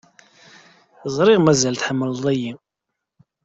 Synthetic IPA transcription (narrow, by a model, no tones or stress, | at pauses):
zˤɾˤiʁmæzælθħəmːəlðˤæji